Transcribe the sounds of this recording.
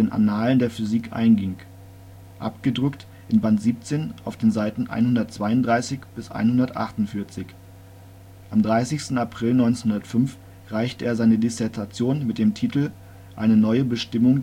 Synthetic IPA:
eːnʔa̰naːləndeːɐfyziːkʔa̰ɪnɡɪŋ | ʔa̰pɡ̥ədʁʏkt | ʔɪnbantz̥iːp̚t͡seːnʔaʊfd̥eːnzaɪtn̩ʔa̰ɪnhʊndɐt̚t͡sv̥aɪʊntd̥ʁaɪsɪçb̥ɪsʔa̰ɪnhʊndɐtʔa̰χtʊntfɪɐt͡sɪç | ʔamdʁaɪsɪçstn̩apʁ̥ɪlnɔʏnnhʊndɐtfʏmf | ʁaɪçtəʔeːɐzaɪnədɪsɛɐtʰat͡sjoːnmɪt̚d̥eːmtʰiːtl̩ | ʔa̰ɪnənɔʏəbəʃtɪmʊŋ

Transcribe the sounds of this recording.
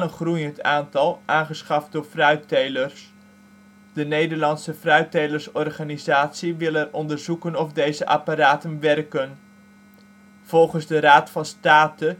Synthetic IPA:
ənχrujəntaːntɑlˠʔaːnχəsχɑfdʊːɹfrœɥtejlərs | d̥ənejdəɹlɑnsəfrœɥtejləɹsɔrχaːnizaːtsiʋɪlˠɛrɔndərzukənɔfdejzəʔapaɾaːtənʋɛrkən | v̥ɔlˠχənzdəɾaːtfɑnstaːtə

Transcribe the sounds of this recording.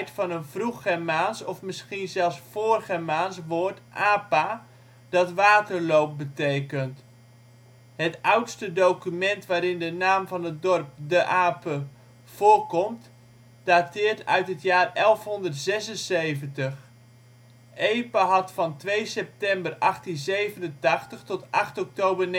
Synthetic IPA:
jtfɑnənv̥ruχɛmaːnsɔfmɪsχinzɛlˠsfoːrχəmaːnsʋoːrtʔaːpa | d̥ɑtʋaːtərlowp̚bətejkənt | hətʌwtstədowkymɛntʋaːɾɪndənaːmvɑnət̚dɔrp̚dəʔaːpə | v̥ʊːrkɔmt | d̥atɪːrtœ̰ɥtɦətjaːrɛlˠfɦɔndərtz̥ɛsənsejvəntəχ | ʔejpaɦɑtfɑntʋejsɛp̚tɛmbərɑχtinzejvənəntɑχtəχtɔtʔɑχtɔk̚towbərn

